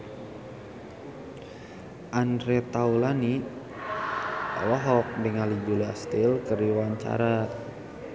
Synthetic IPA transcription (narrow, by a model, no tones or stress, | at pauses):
ʔandɾɛt̪aulani | a̰waɦɔk̚biŋalid͡ʒulia̰st̪ilkərdiwaɲt͡ʃa̰ɾa